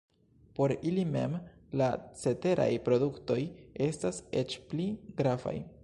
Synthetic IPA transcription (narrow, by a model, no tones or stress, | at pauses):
po̞ɾilime̞mlat͡se̞te̞ɾʔa̰jpɾo̞dukto̞je̞stase̞t͡ʃpliɡɾafa̰j